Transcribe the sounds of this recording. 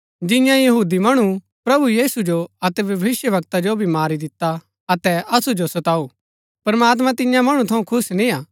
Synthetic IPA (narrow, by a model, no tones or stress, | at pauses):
d͡ʒɪjãjɐɦuːd̪imɐɽ̃u | pɾɐbujiːsud͡ʒoɐt̪ɛʋjɐʋɪsjəʋɐk̚t̪ad͡ʒobʱimaːɾid̪ɪt̪ːa | ɐt̪ɛʔɐsud͡ʒosɐt̪aːuː | pɐɾmaːt̪̬mãt̪ɪ̃jãmɐɽ̃ũt̪ʰɐũkʰʊsnĩaː